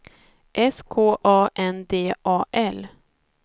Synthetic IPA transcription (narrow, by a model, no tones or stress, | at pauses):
ʔɛskʰoːʔɑːʔɛnd̪eːʔɑːʔɛl